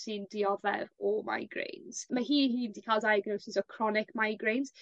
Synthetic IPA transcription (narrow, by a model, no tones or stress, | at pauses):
sɪndiɔvɛ̰vɔma̰jɡrḛjnz̥maɦiːhiːndikʰaːlˠdajaɡnowsɪsɔkʰrɔnɪkmajɡɾejnz̥